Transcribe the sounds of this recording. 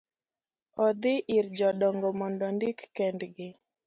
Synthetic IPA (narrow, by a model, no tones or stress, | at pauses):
ɔd̪ɪʔɪrd͡ʒɔɗɔŋɡɔmɔndɔndikːɛndɡɪ